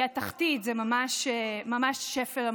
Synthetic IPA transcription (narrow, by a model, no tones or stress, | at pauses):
ataχt̪it̪zɛmamaʃmamaʃːefelam